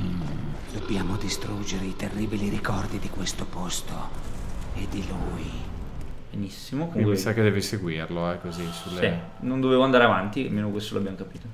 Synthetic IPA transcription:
d̪̥objaːmod̪ist̪ɾud͡ʒeɾeit̪erːiːbiliɾikɔrd̪id̪ikwest̪opost̪o | ed̪iluːj | benisːimokikisakːed̪ːɛːviseɡwirloɛkːozisuleɛ | nond̪oveːvoand̪aːɾeavant̪ia̰lmeːnokwest̪oloabjamokapiːt̪o

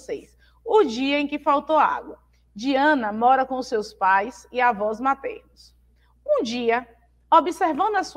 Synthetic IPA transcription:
sejs | ʊd͡ʒiɐẽkɪfawt̪owa̰ɡwɐ | d͡ʒiɐ̃nɐmɔɾɐkõʊsewspajsɪavɔzmat̪ḛɾnʊs | ũd͡ʒiɐ | obiseɾvɐ̃nd̪ʊɐsu

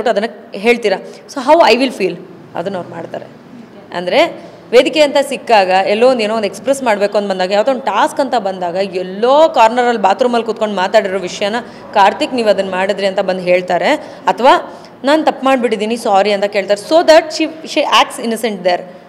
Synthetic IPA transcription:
ʈɐd̪ɐnːɐ | ɦe̞ːɭt̪iːɾɐsoːɦɐwɐjʋilfʰiːl | ɐ̰d̪ɐnːɐʋɾmaːɽt̪a̰ːɾḛ | ɐ̰nd̪ɐɾe̞ | ʋeːd̪ikeɐnt̪ɐsikːaːɡɐɛlːoʋond̪eːnoʋond̪ekspɾesmaːɽbe̞ːkuɐnd̪bɐnd̪aːɡɐjaːʋad̪onʈaːskɐnt̪ɐbɐnd̪aːɡɐɛlːoːkaːɾnɐɾɐlːbaːt̪ɾuːmɐlkut̪̚ko̞ɳɖmaːt̪aːɽiɾoːʋiʂɐjanːɐ | kaːɾt̪ikniːʋɐd̪ɐnːmaːɽid̪ɾiɐnt̪ɐbɐnd̪ɦe̞ːɭt̪aːɾe | ɐt̪ʰɐʋaː | naːnt̪ɐpːmaːɖbiʈid̪iːnisaːɾiɐnt̪ɐkeːɭt̪aːɾesoːd̪ɐʈʃiːʃiʔaːk̚ʈsinɐseɳʈ̚d̪eɾ

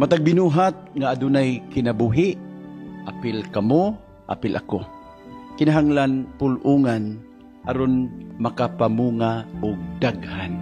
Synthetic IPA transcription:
mat̪aɡ̚bɪnuːɦat̪̚ŋaːdʊnajkɪnabuɦɪʔʔapɪlkamo | ʔa̰pɪlʔako | kɪnaɦaŋlanpʊlʔuŋan | ʔaɾʊnmakapamuŋaʔʊɡ̚d̪aɡhan

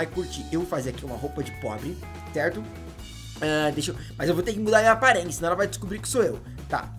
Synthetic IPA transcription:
ajkuɾt͡ʃiʔewfaziakiũmɐɦowpɐd͡ʒɪpɔ̰bɾɪ | sɛɾt̪ʊ | ɛd̪eʃe | mɐzewvowt̪eɾkɪmud̪aɾmĩɐpaɾẽjɪsɪnɐ̃ɛlɐvajd͡ʒɪskubɾikɪ̥soew | t̪a̰

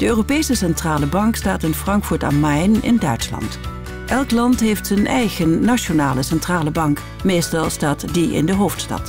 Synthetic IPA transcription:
d̥əøːropejsəsɛntraːləbɑŋkstaːtɪnfrɑŋkfuːɹta̰mɛjnɪ̰ndœɥtslɑ̰nt | ʔɛlˠklɑntɦejftsənɛjχənːaʃonaːləsɛntraːləbɑŋk | mejstɑlˠstaːtdiɪ̰ndəɦowftstɑ̰t

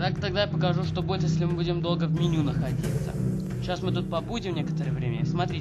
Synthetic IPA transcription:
t̪akt̪ɐɡ̚d̪ajapəkɐʐuʂt̪obuɪt̪jesʲlʲɪmɨbudʲɪmd̪o̞lˠɡəvmʲɪnʲunəxɐdʲḭt̪sə̰ | ɕasmɨt̪̬ut̪̚pɐbudʲɪmnʲekə̥t̪əɾəjəvɾʲḛmʲəsmɐt̪ɾʲi

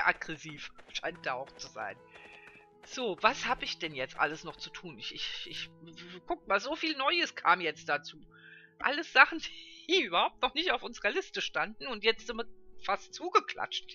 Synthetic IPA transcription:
ʔaɡʁɛsiːfʃaɪnt̚d̥aːʔaʊxt͡suza̰ɪn | z̥oːvashaːbəɪçd̥ɛnjɛt͡stʔa̰ləsnɔχt͡sutʰuːnɪçʔɪçʔɪçɡ̥ʊk̚maːlzoːfiːlnɔʏəskʰa̰ːmjɛt͡st̚d̥at͡suː | ʔa̰ləsz̥aχn̩d̥iiːʔyːbɐhaʊp̚tnɔχnɪçtaʊfʔʊnzəʁɐlɪstəʃtandn̩ʊntjɛt͡stʔɪmɐfastt͡suːɡəkʰl̥a̰t͡ʃt

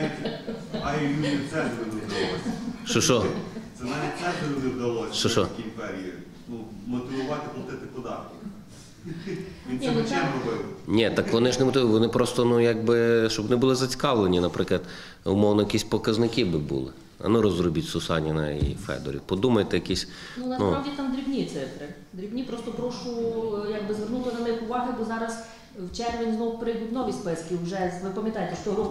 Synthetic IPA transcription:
itʲɐilʲuit̪ɛnd̪ɾɪmɔt̪ɪʋɔʋɑsʲʃt͡ʃɔʃɔsɛnɑʋʲit̪̚ʲt̪ɛd̪ɪʋɔnɪwd̪ɐlˠɔsʲʃɔʃɔkʲimpɛɾʲii | numɔt̪ɪʋʊʋɑt̪ɪplˠɐt̪ɪt̪ɪpɔd̪ɑrk̪ɔ | ʋʲinɛmt͡ʃɛmɔʋɪnʲɛt̪ɑkʋɔnɪʒnemɔt̪ɪʋʋɔnɪpɾɔst̪ɔnujaɡ̚bɪʃt͡ʃɔbʋɔnɪbʊlˠɪzɐt͡sʲi̥kɑʋlˠenʲinɐpɾʔɪklˠɐd̪ | ʊmɔwnɔjɐkʲisʲpɔkɐznɪkɪbɪbṵlˠɪ̰ | ɐ̰nuɾɔzɾʊbʲitʲsʊsɑ̰nʲɪnɐ̰ḭfɛ̰d̪ɔ̰ɾʲḭwpɔd̪umɐjt̪ɛjɐkʲisʲ | nunɐsnupɑʋdʲit̪ɑmd̪ɾʲiwnʲit̪sɪfɾɪ | d̪ɾʲiwnʲipɾɔst̪ɔpɾɔʃʊjaɡ̚bɪzʋernut̪ɪnɐnɪxʊʋɑɦɪbɔzɑɾɐs | wt͡ʃɛrʋʲinʲznɔwpɾɪjd̪utʲnɔʋʲispɪskʲiwʒɛʋɪpɐmʲjɐt̪ɑjet̪ɛʃt͡ʃɔ

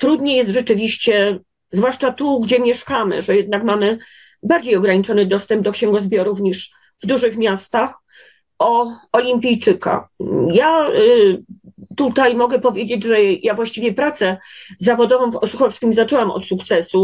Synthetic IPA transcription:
t̪ɾud̪ɲɛjɛst̪ʐɛt͡ʂɘvʲiɕt͡ɕɛ | zvwaʂt͡ʂat̪uɡd͡ʑɛmʲjɛʂkamɘ̰ʐɛjɛd̪̚nakmamɘ | baɾd͡ʑejɔɡɾaɲit͡ʂɔnɘd̪ɔst̪ɛmb̚d̪ɔkɕɛŋɡɔzbʲjɔɾufɲiʂ | vd̪uʐɘxmʲjast̪ax | ɔɔlʲimʲpʲijt͡ʂɘka̰ja | t̪ut̪ajmɔɡɛpɔvʲjed͡ʑed͡ʑʐɛjavwaɕt͡ɕivʲjɛpɾat̪sɛzavɔd̪ɔvɔ̃w̃fɔsuxɔfskʲimzat͡ʂɛwamɔ̰t̪sukt̪sɛsu

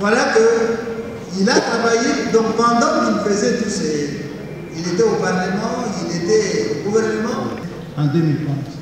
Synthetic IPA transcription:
vwalakə | ilat̪abajidɔ̃kpɑ̃nd̪ɑ̃nilfezetuse | iletɛopaʁlemɑ̃iletɛoɡuvɛʁnəmɑ̃ | ɑ̃dəmilkɛ̃z

